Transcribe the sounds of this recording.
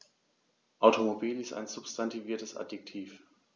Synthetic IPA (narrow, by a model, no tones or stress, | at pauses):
ʔaʊtomobiːlɪsta̰ɪnzʊpstʰantʰiviːɐtəsʔa̰dik̚tʰiːf